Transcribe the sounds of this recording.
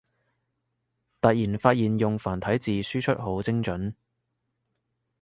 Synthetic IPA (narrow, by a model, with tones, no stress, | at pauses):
t̪ɐ˨t̚jiː˨˩nfaː˧t̚jiː˨njʊ˨ŋfaː˨˩nt̪ʰɐ˨˥jt͡siː˨syː˥t͡ʃʰɵ˥t̚ɦo˨˥wt͡sɪ˥ŋt͡ʃɵ˨˥n